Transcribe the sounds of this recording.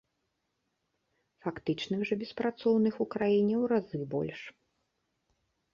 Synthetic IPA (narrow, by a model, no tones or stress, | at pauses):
fakt̪ɨt͡ʂnɨxʐɐbʲɛspɾat̪sɔwnɨxukɾajinʲɛwɾazɨbɔ̰lʲʂ